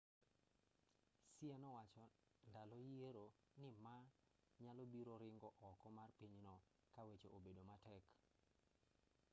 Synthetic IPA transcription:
siɛnɔwat͡ʃɔndalɔjeɾo | nɪma | ɲalɔbiɾoɾɪŋɡɔʔɔkɔmarpiɲnɔ | kawet͡ʃoʔobedomatɛk

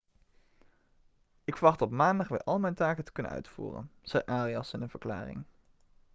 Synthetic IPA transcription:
ɪkfəɹʋɑχtɔpmaːndɑχʋɪ̰ːɹʔɑlˠmɛjntaːkətə̥kɵnə̰nœ̰ɥtfṵːrə̰nz̥ɛjʔaːriɑsɪnənv̥əɹkla̰ːrɪ̰ŋ

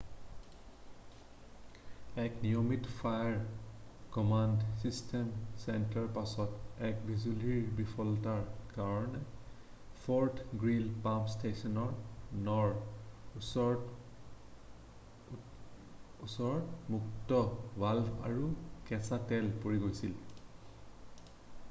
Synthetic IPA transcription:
ɛknijomitfʰajaɹkɔmandsistʰɛmsɛntaɹpasɔtɛkbʱizuliɹbipʰɔltaɹkaɹɔnɛ | pʰɔɹtʰɡɹilpamstʰesɔnɔɹnɔɹ | ɔ | usɔɹɔtmuktɔbalba̰ɹukɛsatɛlpoɹiɡojsil

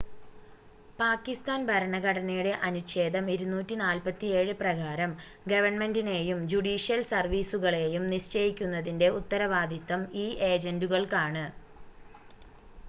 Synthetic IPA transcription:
paːkːist̪aːnbʱɐɾɐɳɐɣɐɽɐnɐjuɽe̞ʔɐnuɕe̞ːd̪ʱɐmiɾunːuːtːinaːlpɐt̪ːie̞ːɻɨprɐɡaːɾɐm | ɡɐʋɐɳme̞ndine̞ːjumd͡ʑuɽiːʂijɐlsɐrʋiːsuɣɐɭe̞ːjumniɕt͡ɕɐjikʲːun̪ːɐðinde̞ut̪ːɐɾɐʋaːd̪ʱit̪ːɐmiːʔeːd͡ʑenduɣɐɭkaːɳɨ

